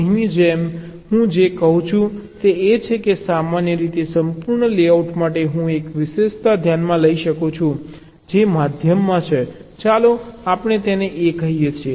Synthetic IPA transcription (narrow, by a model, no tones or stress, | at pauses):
ɦimid͡ʒem | ɦũd͡ʒekəɦũt͡ʃʰũt̪eet͡ʃʰekesamanjəɾit̪esəmpuɾɳəleauʈmaʈeɦũekʋɪʃeʃt̪ad̪ʱjanmãləiʃəkot͡ʃʰũ | d͡ʒemad̪ʱjəmːãt͡ʃʰet͡ʃaloapɳ̃et̪eneʔekəɦijet͡ʃʰe